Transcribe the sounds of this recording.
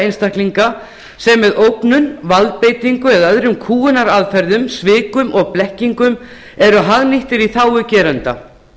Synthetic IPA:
ejnst̪ahkliŋka | sɛmːɛðowpnʏnvalt̪̚peːjt̪iŋkʏɛðœðɾʏmkʰuːʏnaɾaðfɛɾðʏmsvɪːkʏmɔɣplɛhciŋkʏm | ɛɾʏɦaɣniht̪ɪɾiθaːwʏcɛːɾant̪a̰

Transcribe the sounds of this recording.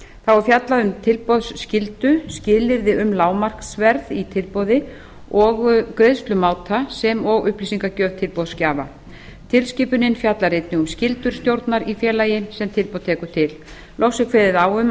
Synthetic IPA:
θawɔɾfjat̪laðʏmt̪ʰɪlpɔðsscɪlt̪ʏscɪːlɪɾðɪʔʏmlaːwmar̥ksvɛɾðit̪ʰɪlpɔðɪ | ɔɣkɾeðst̪lʏmaːwt̪ʰasɛmɔɣʏhplisiŋkacœːv̥t̪ʰɪlpɔðscaːva | t̪ʰɪlsciːpʏnɪnːfjat̪laɾejt̪nɪɣʏmscɪlt̪ʏɾ̥st̪jowɾt̪naɾifjɛːlajɪnsɛmt̪ʰɪlpɔð̥t̪ʰɛːkʏ̥t̪ʰɪl | lʔowsɪkʰvɛðɪðawʏm

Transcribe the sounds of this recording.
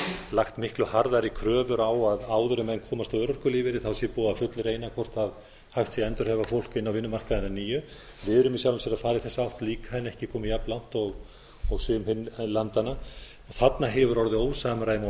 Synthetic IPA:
laxt̪mɪhklʏhaɾðaɾikʰɾœːvʏɾawaðaːwðʏɾʏmɛjnkʰɔːmast̪ːɾɔr̥kʏliːvɪɾɪθawsjɛpuːafʏt̪lɾeːjnakʰvɔr̥t̪að | hajht̪sjɛɛnt̪ʏɾ̥hɛvafowlkɪnːawvɪnːʏmar̥kaðɪnaniːjʏ | vɪðɾʏmisjawlʏmsjɛɾafaːɾɪθɛsːaawht̪liːkḁhanːɛhcɪkʰɔːmijaplan̥t̪ɔɣ | ɔɣsʏːmhɪnlant̪ana | ɔθat̪naɦɛvʏɾɔɾðɪoːwsamɾaːjma

